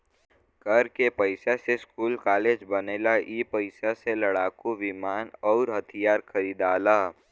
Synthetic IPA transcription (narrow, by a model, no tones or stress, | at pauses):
kəɾkepəɪsaseskuːlkaːleːd͡ʒbəneːlaʔipəɪsaseləɽaːkuʋɪmaːnɔːɾɦɐt̪ʰijaːɾkʰɐɾiːd̪aːlaː